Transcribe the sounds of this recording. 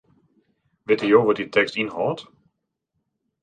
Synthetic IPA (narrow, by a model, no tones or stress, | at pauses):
ʋetijowʋɔtitʰɛkstinɦɔːt